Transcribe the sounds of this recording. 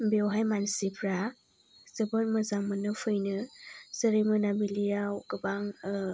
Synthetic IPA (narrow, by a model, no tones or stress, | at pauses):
biwɦajmansipʰɾa | zɯbɔt̚mɯzaŋmɯnɯfɯjnɯsəɾimɯnabilijawkɯbaŋ